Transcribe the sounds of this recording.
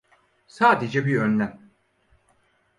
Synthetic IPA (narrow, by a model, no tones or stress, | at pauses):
saːd̪ed͡ʒɛbiønlʲæm